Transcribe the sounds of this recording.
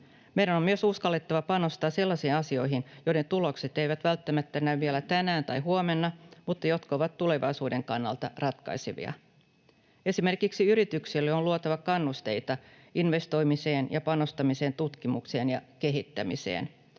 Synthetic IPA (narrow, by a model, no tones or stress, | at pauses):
mejɾænomːyøsuskɑlːe̞t̪ːɑʋɑpɑno̞st̪ɑːse̞lːɑsiːnɑsio̞jɦinjo̞jde̞nt̪ulo̞kse̞t̪e̞iʋæt̪ʋælt̪ːæmæt̪ːænːæʋielæt̪ænæːnt̪ɑjɦuome̞nːɑmut̪ːɑjo̞t̪koʋɑt̪ːule̞ʋɑ̰jsuːde̞ŋkɑnːɑ̰lt̪ɑrɑt̪kɑ̰jseʋḭɑ̰ | e̞sime̞rkiksiyɾit̪yksilːeoluot̪ɑʋɑkɑnːust̪e̞jt̪ɑ | inʋe̞st̪o̞jmise̞ːnjɑpɑno̞st̪ɑmise̞ːnt̪ut̪kimukse̞ːnjɑke̞ɦit̪ːæmḭse̞̰ːn